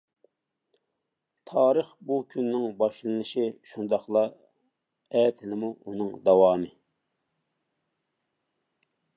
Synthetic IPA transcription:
t̪ʰɑːɾəχbukʲʰynːɪŋbɑʃlˠɨnɨʃiʃund̪ɑχlˠɑ | ɛːt̪ʰɪnɪmuunɨŋd̪ɑwɑːmɨ

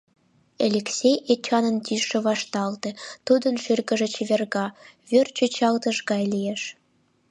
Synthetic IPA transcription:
elʲeksʲejet͡ɕɑnənt̪iʃĕβɑʃt̪ɑlt̪ĕt̪ud̪ənʃyrɣə̆ʒĕt͡ɕeβʲerɣɑβørt͡ɕøt͡ɕɑlt̪əʃɣɑjlieʃ

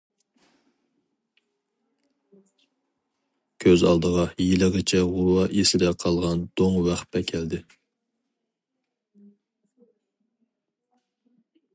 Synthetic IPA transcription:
kʲʰøzɑ̰lˠd̪əʁɑjelɪʁɪt͡ʃʰɛʁʊwɑʔesɪd̪ɛqʰɑlˠʁɑnd̪̥oŋwæχpɛkʲʰɛld̪ɪ

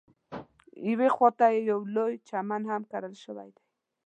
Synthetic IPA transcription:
ɪwexwot̪ajejawlojt͡ʃamanhamkaɾəlʃəwa̰jd̪aj

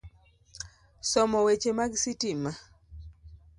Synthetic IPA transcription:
sɔmɔwet͡ʃemaɡsitima

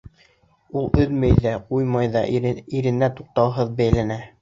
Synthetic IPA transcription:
ulˠɵðmɘjðæqujmɑjðɑiɾɘ̆næt̪uq̚t̪ɑlˠɦɤðbæjlænæ

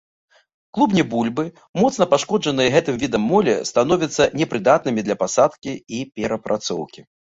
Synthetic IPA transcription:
klˠubnʲɛbulʲbɨ | mɔt̪snɐpaʂkɔd͡ʐɐnɨjɐɣɛt̪ɨmvʲid̪ɐmːɔlʲɛ̰st̪an̪ɔvʲɐt̪sːɐnʲɛpɾɨd̪at̪nɨmʲid̪lʲɐpasat̪kʲiipʲɛɾɐpɾʔat̪sɔ̰wkʲi

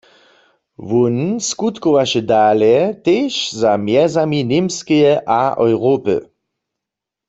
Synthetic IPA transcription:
wunskut̪kowaʃɛdaːlɛteːʃzamjɛzaminemskɛjɛʔaʔɔwʁopə̰

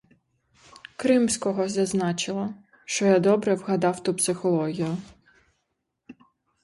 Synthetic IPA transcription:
kɾɪmsʲkɔɦɔzʲɐznɑt͡ʃɪlˠɐ | ʃt͡ʃɔjad̪ɔbɾɛwɦɐd̪ɑwt̪upsɪxɔlˠɔɦʲijʊ

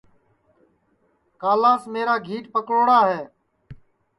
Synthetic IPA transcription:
kaːlaːsmeːɾaːɡʱiːʈpəkɾoːɽaːɦeː

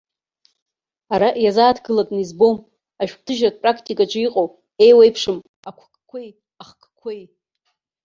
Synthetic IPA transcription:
aɾaʔjazaːtʰɡɨlatʼnizbo̞m | aʒᶣktʰɨʒrat̚pʼrakʰtʼikʼaʈ͡ʂʷʼiqʼow | e̞jwejpʰʂɨm | akʷʰkʰʼkʷʰej | aχkʰkʷʰej

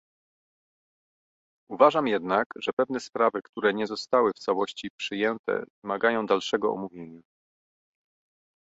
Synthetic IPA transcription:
uvaʐamjɛd̪nakʐɛpɛvn̪ɛspɾavɘkt̪uɾɛɲɛzɔst̪awɘft̪sawɔɕt͡ɕipʂɘjɛnt̪ɛ̰vɘmaɡajɔ̃w̃d̪alʂɛɡɔɔ̰muvʲjeɲa

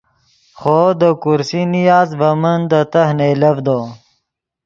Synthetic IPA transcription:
xoːd̪əkuɾsinijaːzbɐmənd̪ət̪ɐhnejlɐvd̪oː

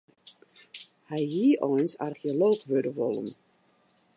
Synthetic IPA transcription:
hɛjɦiəʔɔjnsa̰rxioloːkʋødəʋolˠə̰n

